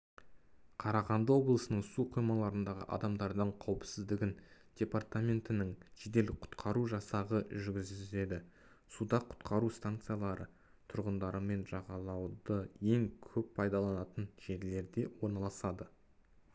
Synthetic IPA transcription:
qʰɑɾɑʁɑnd̪əwo̞blˠəsənəɴsuoqʰijmɑlˠɑɾənd̪ɑʁə̰ʔɑ̰d̪ɑmd̪ɑɾd̪əɴqʰɑwəpsɪzd̪ɪɡʲɪnd̪̥ʲe̞part̪amʲe̞nt̪ɪnɪŋʒed̪e̞lqʰʊ̥t̪qʰɑɾuʒɑsɑʁəʒʏɾɡʲɪze̞d̪ɪ | sud̪ɑqʰʊ̥t̪qʰɑɾust̪ant̪sɨjalˠɑɾə | t̪ʰʊɾʁənd̪ɑɾəme̞nʒɑʁɑlˠɑwd̪əje̞ŋkʲʰɵppʰɑjd̪ɑlˠɑnɑt̪ənʒ̥e̞ɾle̞ɾd̪e̞wo̞ɾnɑlˠɑsɑd̪ə

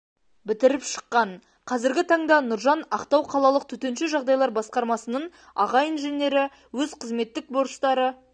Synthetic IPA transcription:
bɪt̪ɪɾɪpʃə̥qːɑɴ | qʰɑzɪɾɡʲɪt̪ʰɑɴd̪ɑnʊɾʒɑnɑqt̪ɑwqʰɑlˠɑlˠəq̚t̪ʰɵt̪e̞nʃɪʒɑʁd̪ɑjlˠɑɾbɑsqɑɾmɑsənəɴ | ɑ̰ʁɑjinʒene̞ɾɪ | wɵzqʰəzme̞t̪ːɪk̚bo̞ɾst̪ɑɾə

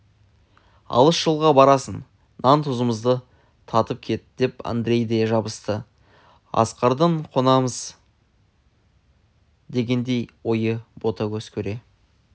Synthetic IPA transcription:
ɑ̰lˠəsʒ̥əlˠʁɑbɑɾɑsənː | ɑnt̪ʰʊzəməzd̪ə | t̪ʰɑt̪əp̚kʲʰe̞t̪d̪e̞pa̰nd̪ɾe̞jd̪eʒɑbəst̪ə | ɑ̰sqɑɾd̪əɴqʰo̞nɑməz | d̪e̞ɡʲe̞nd̪e̞jwo̞jəbo̞t̪ɑkʲʰɵz̥kʲʰɵɾe̞

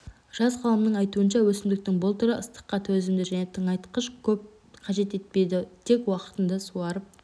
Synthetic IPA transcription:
ʒ̥ɑzqʰɑlˠəmnəɴɑjt̪uənʃɑwɵsɪmd̪ɪk̚t̪ɪŋbʊlˠt̪ʰʊɾəəst̪ə̥qːɑt̪ʰɵzɪnd̪ɪʒæne̞t̪ʰəɴɑjt̪qəʃkʲʰɵp̚ | qʰɑʒe̞t̪e̞t̪̚pe̞jd̪ɪt̪ʰe̞kwɑqə̥t̪ənd̪ɑsuɑɾəp̚

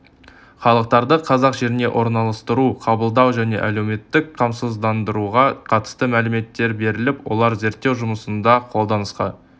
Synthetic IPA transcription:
χɑlˠəq̚t̪ɑɾd̪əqʰɑzɑqʒe̞ɾɪne̞ʔo̞ɾnɑlˠɑst̪əɾuqʰɑbəlˠd̪ɑwʒæne̞̰ʔæle̞wme̞t̪ːɪkqʰɑmsəzd̪ɑnd̪əɾuʁɑqʰɑt̪ə̥st̪əmælɪme̞t̪ːe̞ɾbe̞ɾɪlɪpwo̰lˠɑɾze̞ɾt̪ːe̞wʒʊməsənd̪ɑqʰo̞lˠd̪ɑnəsqɑ̰n

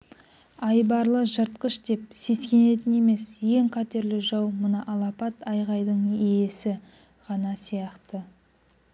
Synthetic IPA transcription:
ɑjbɑɾlˠəʒəɾt̪̚qəʃd̪e̞p̚se̞skʲe̞ne̞t̪̬ɪne̞me̞sje̞ŋqʰɑt̪e̞ɾlɪʒɑwmʊnəʔɑlˠɑpɑt̪ɑjʁɑjd̪əɴejesɪ | ʁɑnɑsijɑqt̪ə

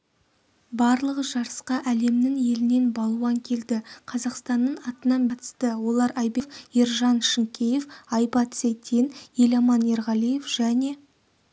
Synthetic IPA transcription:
bɑɾlˠəʁəʒɑɾəsqɑʔæle̞mnɪŋje̞lɪne̞nbɑlˠuɑŋkʲʰe̞ld̪ɪqʰɑzɑqst̪ɑnːəɴɑt̪ənɑnbʰɑt̪ə̥st̪əwo̞lˠɑɾɑjbe̞fiɾʒɑnʃɪŋkʲeje̞fɑjbɑt̪sejt̪ʲʰenje̞lɑmɑneɾʁɑlˠije̞fʒ̥æne̞

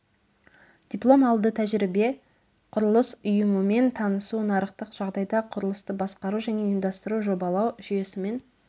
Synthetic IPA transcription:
d̪̥ʲiplˠo̞mɑlˠd̪ət̪ʰæʒɾibe̞ | qʰʊɾəlˠəsʊjəməme̞nt̪ʰɑnəsunɑɾəqt̪əqʒ̥ɑʁd̪ɑjd̪ɑqʰʊɾəlˠəst̪əbɑsqɑɾuʒæne̞imd̪ɑst̪əɾuʒo̞bɑlˠɑwʒʏje̞sɪme̞n

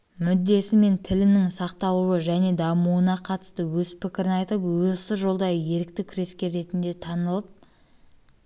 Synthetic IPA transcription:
mʏd̪ːe̞sɪme̞nt̪ʰɪlɪnɪŋsɑqt̪ɑlˠuwəʒæne̞d̪ɑmuwənɑqʰɑt̪ə̥st̪əwɵzpʰɪkʲɪɾɪnɑjt̪əpwɵzsɪʒo̞lˠd̪ɑjəje̞ɾɪk̚t̪ɪkʲʰʏɾe̞skʲe̞ɾe̞t̪ɪnd̪e̞t̪ʰɑnəlˠəp̚

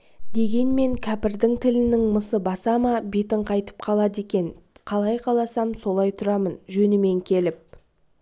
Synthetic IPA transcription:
d̪e̞ɡʲe̞nme̞ŋkʲʰæpɪɾd̪ɪŋt̪ʰɪlɪnɪŋməsəbɑsɑmɑbe̞t̪ɪɴqʰɑjt̪ə̥p̚qʰɑlˠɑd̪e̞kʲe̞nqʰɑlˠɑjqʰɑlˠɑsɑmso̞lˠɑjt̪ʰʊɾɑmənʒɵnɪme̞ŋkʲʰe̞lɪp̚

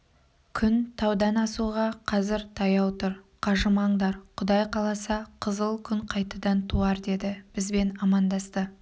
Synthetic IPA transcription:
kʲʰʏnt̪ʰɑwd̪ɑnɑsuʁɑqʰɑzɪɾt̪ʰɑjɑwt̪ʊɾqʰɑʒəmɑɴd̪ɑɾqʰʊd̪ɑjqʰɑlˠɑsɑqʰəzəlˠkʲʰʏɴqʰɑjt̪ɑd̪ɑnt̪ʰuɑɾd̪e̞d̪ɪb̥ɪzbe̞nɑmɑnd̪ɑst̪ə

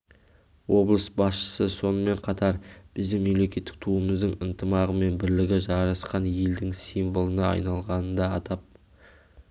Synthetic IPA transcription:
wo̞blˠəsbɑsʃə̥səso̞nəme̞ɴqʰɑt̪ɑɾb̥ɪzd̪ɪŋme̞mle̞kʲe̞t̪ːɪ̥k̚t̪ʰuəməzd̪əɴənt̪ʰəmɑʁəme̞nbɪɾlɪɡʲɪʒɑɾɑsqɑnje̞ld̪ɪŋsijmbəlˠənɑɑ̰jnɑlˠʁɑnənd̪ɑːt̪ɑp̚

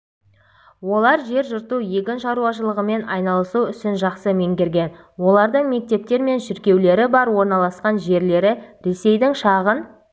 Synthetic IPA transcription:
wo̞lˠɑɾʒe̞ɾʒʊɾt̪uje̞kʲɪnʃɑɾuɑʃ̬əlˠəʁəme̞nɑjnɑlˠəsuʏsɪnʒɑqsəmeŋɡʲeɾɡʲe̞n | wo̞lˠɑɾd̪əɴme̞k̚t̪e̞p̚t̪e̞ɾme̞nʃɪɾkʲe̞wle̞ɾɪbɑɾwo̞ɾnɑlˠɑsqɑnʒe̞ɾle̞ɾɪɾe̞se̞jd̪ɪŋʃɑʁən

